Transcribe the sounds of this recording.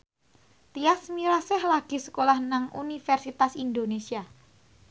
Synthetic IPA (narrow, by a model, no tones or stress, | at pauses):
t̪iasmiɾasɛhlaɡ̥i̤sə̥kolahnaŋṵnifɛrsit̪asind̪onesia